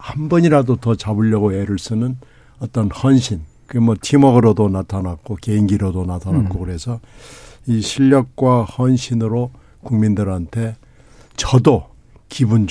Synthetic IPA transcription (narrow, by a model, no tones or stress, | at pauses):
hambʌɲiɾadotʌt͡ɕabɯʎːʌɡoeɾɯɭs͈ɯnɯn | ʌt͈ʌnhʌnɕʰinkɯemʌtʰimʌɡɯɾodonatʰanak̚k͈oke̞iŋɡiɾodonatʰanak͈okɯɾe̞sʰʌ | iɕʰiʎːʌk̚k͈wahʌnɕʰinɯɾo | kuŋmindɯɾɦantʰe̞ | t͡ɕʌdo | kibund͡ʑ